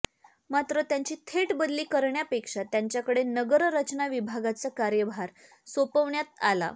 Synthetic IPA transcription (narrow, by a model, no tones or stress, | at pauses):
mat̪ɾət̪jaɲt͡ɕiːt̪ʰeʈbəd̪liːkəɾɳjapekʂat̪jaɲt͡ɕjakəɽenəɡəɾɾət͡ɕnaʋibʱaɡat͡səkaɾjəbʱaɾ | sopəʋɳjat̪ala̰